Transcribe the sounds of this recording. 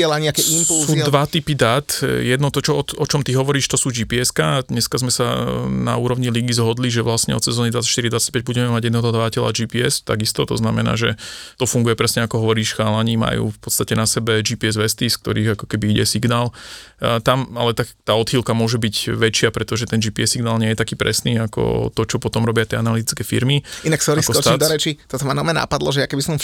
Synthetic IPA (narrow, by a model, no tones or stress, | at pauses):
ɛlaɲɛakɛimpusuːdd̪ʋat̪ipid̪at̪jɛd̪nɔt̪ɔt͡ʃɔɔɔt͡ʃɔmt̪iɦɔʋɔɾiːʃt̪ɔsuːd͡ʒiːpiɛskad̪ɲɛskazmɛsana̰uːɾɔʊɲiliɡizɦɔd̪liʒɛʋlasɲɛ̰ɔ̰sɛzɔːnid̪ʋatt͡sḁt͡ʃʃt̪iɾid̪ʋatt͡sac̚pɛɟ̚buɟɛmɛmaɟjɛd̪ɛɦɔɦɔd̪ʋacɛlad͡ʒiːpiɛst̪a̰ɡist̪ɔt̪ɔznamɛna̰ːʒɛt̪ɔfuŋɡujɛpɾɛsɲɛakɔɦɔʋɔɾiːʃxaːlaɲiːma̰jṵːfpɔt̪t͡sst̪acɛnasɛbɛd͡ʒiːpiɛzʋɛst̪isk̚t̪ɔ̰ɾiːɣakɔkɛbiiɟɛsiɡnaːl | t̪ama̰lɛt̪akt̪aːɔd̪hilkamʊɔʒɛbiɟʋɛt͡ʃɪapɾɛt̪ɔʒɛt̪ɛnd͡ʒiːpiɛsːiɡnaːlɲɪɛjɛt̪akiːpɾɛsniːakɔ̰t̪ɔt͡ʃɔpɔt̪ɔmɾɔbɪat̪ɪɛanalit̪i̥t͡skɛːfḭɾmiinaksɔɾisɔɔɔd̪ɔɾɛt͡ʃit̪ɔt̪ɔmanamɛna̰pad̪lɔʒɛjakɛbisɔm